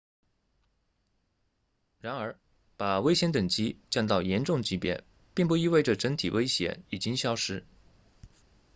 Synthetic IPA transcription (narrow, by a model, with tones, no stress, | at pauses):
ɻa˧˥nə˞˧˥ | pa˨˩we˥ɪɕjɛ˧˥nt̪ə˨˩ŋt͡ɕi˥t͡ɕjɑ˥˧ŋt̪ɑ˥˩ʊjɛ˧˥nʈ͡ʂʊ˥˩ŋt͡ɕi˥pjɛ̰˧˥n | pi˥˩ŋp̬u˥˧i˥we˥˩ɪʈ͡ʂə˨˩ʈ͡ʂə˧˥ŋt̪ʰi˨˩we˥ɪɕjɛ̰˧˥i˨˩t͡ɕi˥ŋɕjɑ˥ʊʂɻ̩˥